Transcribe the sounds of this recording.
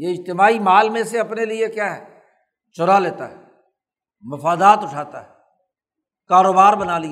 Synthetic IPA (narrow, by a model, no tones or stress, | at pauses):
jeɪd͡ʒt̪ɪmaːimaːlmẽseɐpneliekjaːɦɛː | t͡ʃʊɾaleːt̪a̰ɦɛ | mɐfaːd̪aːt̪ʊʈʰaːt̪a̰ɦɛ | kaːɾoːbaːɾbənaːli